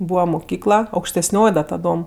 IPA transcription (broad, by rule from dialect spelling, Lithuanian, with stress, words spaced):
ˈbuːʋɐ mʊˈkʲiːklˠɐ ɐʊkʃʲtʲɛsʲˈnʲoːj dɐ tɐˈdoːm